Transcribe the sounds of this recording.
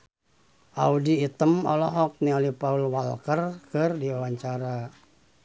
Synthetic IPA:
ʔaudiːt̪əmɔ̰lɔɦɔk̚nialipaulwa̰lkərkɨrdiawaɲt͡ʃaɾa

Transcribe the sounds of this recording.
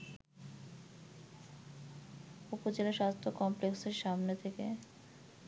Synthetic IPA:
upod͡ʑelaʃast̪ʰokɔmplekseɾʃamnet̪ʰekḛ

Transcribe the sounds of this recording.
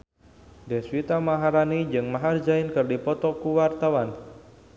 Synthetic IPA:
dɛswit̪amaɦaɾanid͡ʒɨŋmaɦard͡ʒaɪnkɨrdipɔt̪ɔkuwart̪awan

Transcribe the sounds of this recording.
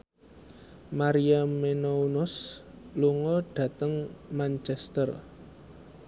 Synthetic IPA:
maɾiamenounʊs | luŋɔɖ̥ä̤t̪əŋmant͡ʃɛst̪ər

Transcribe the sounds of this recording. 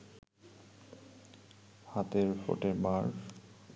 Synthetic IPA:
hat̪eɹfo̰ʈeɹmaɹ

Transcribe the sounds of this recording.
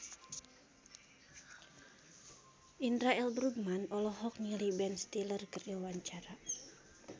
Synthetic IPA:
ʔindɾaɛlbɾuɡ̚manɔlɔɦɔk̚nilibɛnst̪ilərkəriawaɲt͡ʃaɾa

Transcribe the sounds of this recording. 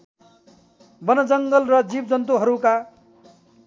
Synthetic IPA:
bʌnʌd͡zʌŋɡʌlrʌd͡zibd͡zʌnt̪̬uɦʌɾuka

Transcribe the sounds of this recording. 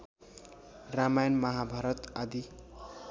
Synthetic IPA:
ramajʌnmʌɦabʱaɾʌt̪ad̪i

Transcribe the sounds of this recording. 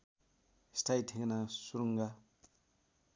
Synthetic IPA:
stʰajtʰeɡnasuɾuŋɡa

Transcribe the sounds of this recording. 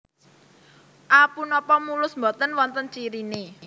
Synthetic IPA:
ʔapunɔpɔmulʊsmbɔt̪ənwɔnt̪ənt͡ʃiɾine

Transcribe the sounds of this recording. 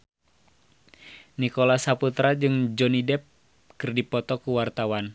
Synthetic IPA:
nikɔlasaput̪ɾad͡ʒɨŋd͡ʒɔnidɛp̚ | kɨrdipɔt̪ɔkuwart̪awan

